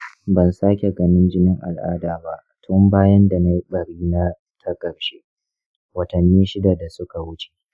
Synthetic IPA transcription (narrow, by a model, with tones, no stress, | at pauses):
bɐ˨nsaː˦kʲe˨ɡɐ˦nɪ˦nd͡ʒɪ˦nɪ˦ŋʔa̰˨lʔa̰ː˦daː˨ba˦ʔtʰʊ˦mbaː˦jɐ˦nda˨na˦ji˦ɓɐ˨ɽiː˦na˦ | tʰɐ˦kɐ˨rʃe˦ | wɐ˨tɐ˨nːiː˦ʃɪ˦da˨da˨sʊ˦ka˨wʊ˦t͡ʃe̥˨